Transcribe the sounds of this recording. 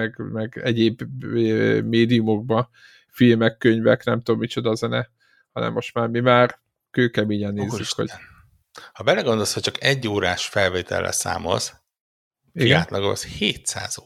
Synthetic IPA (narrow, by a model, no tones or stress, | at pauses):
ɛɡmɛɡɛɟeːb | meːd̪ijumo̞ɡ̚bɒ | filmɛkːøɲvɛknɛmt̪oomːit͡ʃo̞d̪ɒzɛnɛ | hɒnɛ̰mːo̞ʃt̪maːrmimaːr | køːkɛmeːɲɛnːzykho̰ | hɒbɛlɛɡond̪oshɒct͡ʃɒkɛɟːoːɾaːʃfɛlveːt̪ɛ̰lːɛ̰sa̰ːmo̰z | iɡaːt̪lɒɡoɒ̰sheːt̪sa̰ːzo